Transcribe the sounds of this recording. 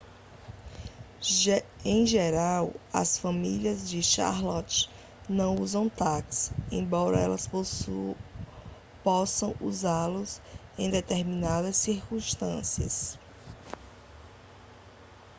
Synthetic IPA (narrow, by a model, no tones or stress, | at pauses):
ẽj̃ʒeɾawɐ̰sfɐmiliɐzd͡ʒɪʃa̰ɾlɔt͡ʃ | nɐ̃w̃uzɐ̃w̃t̪aksẽj̃bɔɾɐɛ̰lɐs | pɔsɐ̃w̃uzaɾlʊsẽj̃d̪et̪eɾmĩnad̪ɐsːiɾkũʃt̪ɐ̰̃siɐ̰s